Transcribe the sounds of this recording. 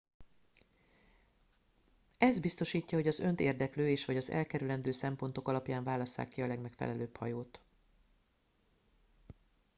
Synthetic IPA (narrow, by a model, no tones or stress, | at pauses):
ɛzd̪bist̪o̞ʃiːcːɒho̞ɟɒzø̞nt̪eːrd̪ɛkløːeːʃʋɒɟɒzɛ̰lkɛɾylɛnd̪øːsɛmpo̞nt̪o̞kɒlɒpjaːɱvaːlɒsːa̰ːkːiɒlɛɡmɛkfɛ̰lɛløːbhɒ̰joːt̪